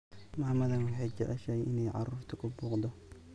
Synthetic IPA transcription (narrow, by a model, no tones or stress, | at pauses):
mɐhmɐðɐnwɑħejt͡ʃɛʔɛʃɛjʔɪnɛjʕɑ̰ruːft̪ʰɐkʰʊbuːqd̪ɔ